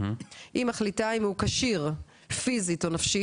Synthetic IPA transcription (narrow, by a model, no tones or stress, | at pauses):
ʔimaχlitaimhukaʃiʁ | fizitonafʃi